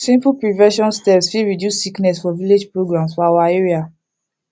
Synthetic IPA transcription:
sĩmpupɹivɛʃɔ̃nstɛpsfiɹidjusːiknɛsfɔviled͡ʒpɹoɡɹãmsfɔawaeɹia

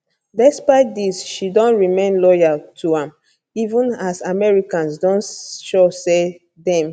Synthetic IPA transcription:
dɛspaɪt̚disʃidɔ̃ntɹimẽnlɔjaltʰuãm | ivũnasamɛɹikãnsdɔ̃nʃose | dɛ̃m

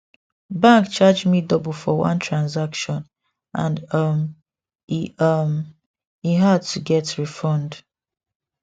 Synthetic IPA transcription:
bãŋkt͡ʃad͡ʒmidɔbl̩ˠfɔwʌ̰̃ntʰɹãnzakʃɔ̃n | ʔãndʌm | iʌm | iɦad̚tʰuɡɛtɹifɔ̃nd

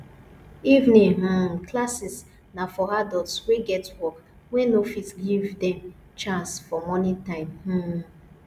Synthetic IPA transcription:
ivnĩɦãnklasis | nafɔɾadɔtsweɡɛtwɔk | wɛnofitɡivdɛ̃m | t͡ʃãnsfɔmɔnĩtãɪ̃mhã

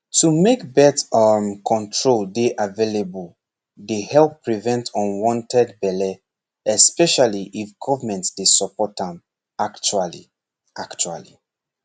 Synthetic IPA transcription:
tumekbɛtmkʰɔ̃ntʰɹoldeʔavelebul | dehɛlpːɹivɛ̃ntʰɔ̃nwɔ̃ntʰɛdbɛlɛ | ɛspɛʃaliʔifɡɔvəmɛ̃ntsd̥esɔpɔtãm | akt͡ʃualḭ | ʔakt͡ʃua̰lḭ

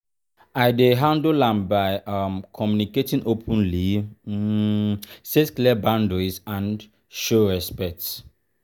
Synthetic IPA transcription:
ajdeɦãndolãnbajamkʰɔmjuniketĩnopʰə̃nli | setklɛbãndɔzãn | ʃoɹɛspɛk̚ts

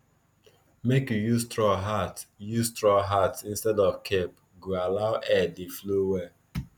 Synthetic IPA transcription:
mekjujuztɹɔɦatjuzstɹɔɦatsĩnstɛdɔvkʰep | ɡoalaʊʔɛdeflowɛ

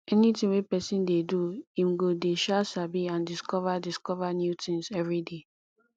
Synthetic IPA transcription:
ɛnitĩwepɛsĩndeduĩmɡodeʃasabiãndiskɔvadiskɔvanjutʰĩŋsɛvɹide

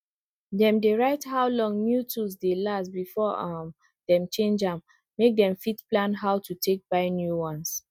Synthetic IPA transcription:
dɛ̃mdeɹaɪthaʊlɔ̃ŋnjutusdelastbifɔm | dɛ̃mt͡ʃẽnd͡ʒãmː | ek̚dɛ̃mfitplãnɦaʊtʰutʰek̚b̥aɪnjuwɔ̃ns

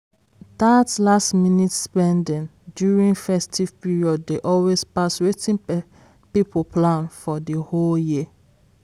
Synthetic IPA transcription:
datlastminitspɛ̃ndĩndjuɹĩŋfɛstʰiv̥piɹiɔdːeʔɔlwespaswetĩn | pipoplãnfɔdiholjiə

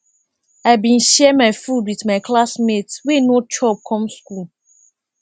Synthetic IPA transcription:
aɪbĩnʃɛmaɪfudwitmaɪklasmetwenot͡ʃɔb̚kʰɔ̃mskul

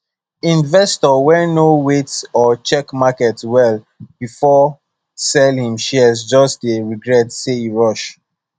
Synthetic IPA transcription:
ĩnvɛstɔwɛnowetɔt͡ʃɛkmakɛtwɛl | b̥ifɔ | sɛlhĩmʃɛzd͡ʒɔstdeɹiɡɹɛtseiɹɔʃ

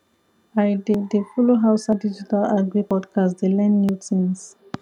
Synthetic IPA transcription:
ajdedefuloɦawsadid͡ʒitalaɡɹipɔdkʰastdelɛ̃nmjutʰĩns

